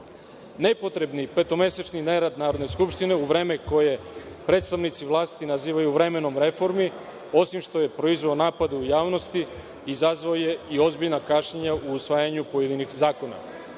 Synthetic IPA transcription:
ne̞po̞t̪ɾe̞bnipet̪o̞me̞set͡ʃnineɾad̪naːɾo̞d̪ne̞skupʃt̪ine̞uʋɾe̞ːme̞ko̞je̞pɾe̞t̪st̪aʋnit̪siʋlˠaːst̪inaziːʋajuvɾe̞me̞no̞mɾe̞fo̞ɾmi | o̞simʃt̪o̞je̞pɾo̞izʋaonaːpad̪eujaːʋno̞st̪i | izazʋaoje̞io̞zbiʎnakaʃɲaɲaʔuːsʋaːjaɲupo̞je̞d̪inixzaːko̞na̰

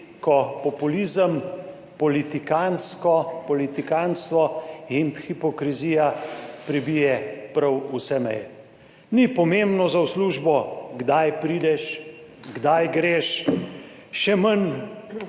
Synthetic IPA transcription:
kɔpɔpulizəm | pɔlit̪ikanskɔpɔlit̪ikanst̪ʋɔimxipɔkɾiziːjapɾɛbijɛpɾawusɛmɛ̰j | nipɔmembnɔzawsluːʒbɔɡd̪ajpɾid̪ɛʃɡd̪ajɡɾeːʃ | ʃɛmən

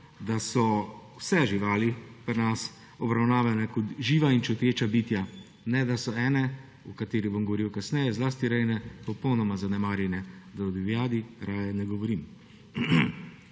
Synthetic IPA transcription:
d̪asɔwsɛʒiʋaːlipɾnas | ɔbɾawnaːʋanɛkɔt̪ʒiːʋaint͡ʃɔt̪eːt͡ʃabiːt̪ja | nɛd̪asɔɛːnɛ | ukat̪eːɾibomɡɔʋɔɾiwkasnɛːjɛzlaːst̪iɾɛjnɛpɔpɔwnɔmazanɛmaːɾjɛnjɛd̪ad̪ibjaːd̪iɾaːjɛnɛɡɔʋɔɾiːm

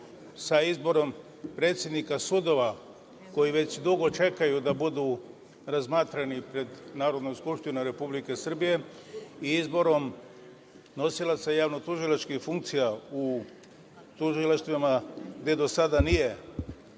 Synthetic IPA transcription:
saizbo̞ɾo̞m | pɾet̪sjed̪nikasud̪o̞ʋa | ko̞jiʋe̞t͡ɕd̪uɡo̞t͡ʃe̞kajud̪abud̪u | ɾazmaːt̪ɾanipɾe̞d̪naːɾo̞d̪nomskupʃt̪inoɾe̞publike̞sr̩bije̞ | iizbo̞ɾo̞m | no̞silat̪sajaːʋnot̪uʒilat͡ʃkixfuŋkt̪sijau | t̪uʒilaʃt̪ʋamaɡd̪e̞d̪o̞sad̪anije̞

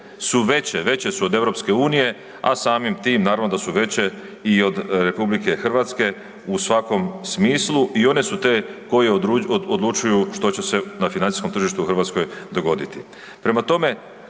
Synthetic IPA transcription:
suʋe̞t͡ɕeʋe̞t͡ɕe̞suod̪e̞ʋɾo̞pske̞uːnije̞ | a̰saːmimt̪iːmnaːɾaʋnod̪asuʋe̞t͡ɕe̞ | io̞d̪ɾe̞publike̞xr̩ʋat̪ske̞ | usʋako̞msmiːslˠuʔio̞ne̞sut̪e̞ko̞jeod̪lˠut͡ʃujuʃt̪o̞t͡ɕe̞se̞nafinanisko̞mt̪r̩ʒiʃt̪uxrʋaːt̪sko̞jd̪o̞ɡo̞d̪it̪i | pɾe̞mat̪o̞me̞

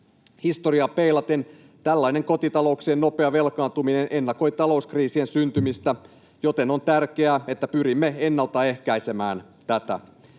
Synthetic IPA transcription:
hist̪o̞ɾiɑpe̞jlɑt̪en | t̪ælːɑine̞ŋko̞t̪it̪ɑlo̞uksienːo̞peɑʋe̞lkɑːnt̪umine̞nʔe̞nːɑko̞jt̪ɑlo̞uskriːsie̞nsynt̪ymist̪æ | jo̞t̪e̞no̞nt̪ærke̞æe̞t̪ːæpyɾimːe̞e̞nːɑlt̪ɑe̞hkæjse̞mæːn | t̪æt̪æ̰

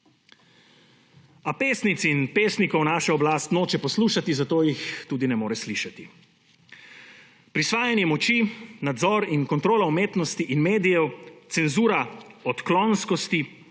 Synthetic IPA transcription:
apeːsnit̪sinpeːsnikɔwnaːʃɛɔblaːst̪noːt͡ʃɛpɔsluːʃat̪izat̪oːjixt̪uːd̪inɛmoːɾɛsliːʃat̪i | pɾisʋaːjɛnjɛmɔt͡ʃinad̪zɔːɾinkɔnt̪ɾoːlaumeːt̪nɔst̪iʔinmeːd̪ijɛwt̪sɛnzuːɾaɔt̪klɔnskɔst̪i

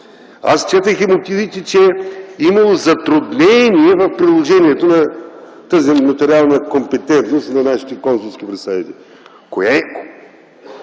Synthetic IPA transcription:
a̰st͡ʃɛt̪əximʊt̪ivit̪ɛt͡ʃɛimɐlˠozɐt̪ɾʊd̪nɛniɛvɐfpɾid̪lˠoʒɛniɛt̪onɐ | t̪azimɐt̪ɛɾialˠnəkompɛt̪ɛnt̪nost̪nɐnaʃi̥t̪ɛkɔnsulˠskʲipɾɐsait̪i | kojɛ

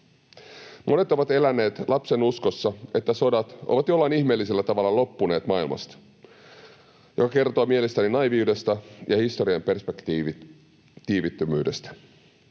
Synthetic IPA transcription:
mʔo̞ne̞t̪o̞ʋɑt̪e̞lænːe̞ːt̪lʔɑpse̞nusko̞sːɑe̞t̪ːæso̞dɑt̪o̰ʋɑt̪jo̞lːɑiniçme̞ːlːise̞lːæt̪ɑʋɑlːɑlo̞pːune̞ːt̪mɑilmɑ̰st̪ɑ̥ | jo̞kɑke̞rt̪oːmie̞le̞st̪æninɑjʋiuːde̞st̪æjʔɑhist̪o̞ɾiɑmpe̞rspekt̪i | t̪iːʋit̪ːømyːde̞st̪æ̥

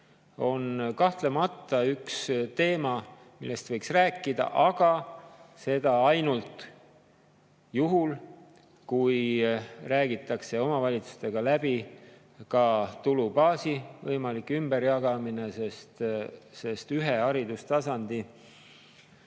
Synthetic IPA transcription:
o̞nkɑht̪le̞mɑt̪ːˑɑykst̪e̞ːmɑ | milːe̞st̪vɤjksræːkˑːid̪̥ɑ̰ʔɑɡ̥ɑse̞d̪̥ɑɑjnult̪ˑ | juɦul | kujræːɡ̥it̪ːˑɑkse̞o̞mɑvɑlʲit̪su̥st̪e̞ɡ̥ɑlæb̥i | kɑt̪ulub̥ɑːsivɤjmɑlikːˑymb̥eɾjɑɡ̥ɑmine̞sest̪se̞st̪yɦe̞ɑɾid̪ust̪ɑsɑnd̪i

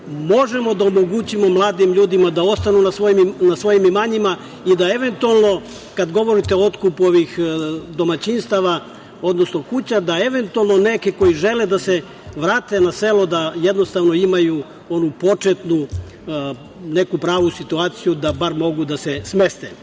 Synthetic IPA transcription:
mo̞ʒemo̞d̪aomo̞ɡut͡ɕimo̞mlˠaːd̪imʎuːd̪imad̪ao̞st̪anunasʋoimnasʋo̞jimimaɲima | id̪ae̞ʋe̞nt̪ualˠno̞ | kad̪ɡo̞ʋo̞ɾit̪eo̞t̪kupuo̞ʋixd̪o̞mat͡ɕinst̪aʋa | o̞d̪no̞sno̞kut͡ɕad̪ae̞ʋe̞nt̪ualˠno̞ne̞keko̞jiʒe̞led̪ase | ʋɾaːt̪e̞nase̞lod̪ajed̪no̞st̪aʋno̞imaju | o̞nupo̞t͡ʂet̪nu | ne̞kupɾaːʋusit̪uaːt̪sijud̪abaɾmo̞ɡud̪asesme̞st̪e

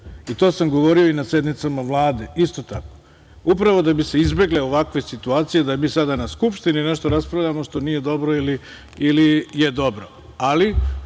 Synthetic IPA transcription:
it̪o̞ːsamɡo̞ʋo̞ɾio̞inasje̞d̪nit̪samaʋlˠaːd̪e̞ist̪o̞t̪ako | upɾaʋo̞d̪abise̞izbe̞ɡleo̞ʋakʋe̞sit̪uaːt̪sije̞d̪amisad̪anaskupʃt̪inineʃt̪oɾaspɾavʎʲamo̞ʃt̪o̞nije̞d̪o̞bɾoili | ilije̞d̪o̞bɾo | ali

